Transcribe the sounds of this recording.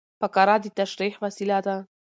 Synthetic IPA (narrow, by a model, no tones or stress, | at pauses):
pakaɾˤad̪it̪ːaʃɾiːħvasilad̪a